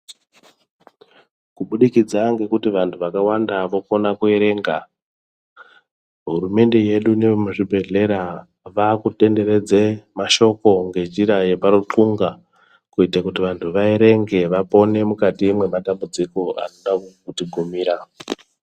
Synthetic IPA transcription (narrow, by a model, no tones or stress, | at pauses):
kuɓuɗikid͡zaŋɡe̞kutiʋantʰuʋakawandaʋo̞ko̞nakueɾe̞ːŋɡa | ɦuɾume̞nde̞je̞ɗunemuʐibʱe̞ɮe̞ɾa | ʋakute̞nde̞ɾe̞d͡zemaʃo̞ko̞ŋɡe̞nd͡ʒiɾaje̞paɾuǁuŋɡa | kuitakutiʋantʰuʋaeɾe̞ŋɡe̞ʋapo̞ne̞mukatiːmwe̞matambud͡ziko̞a̰noɗakukutiɡʱumiːɾa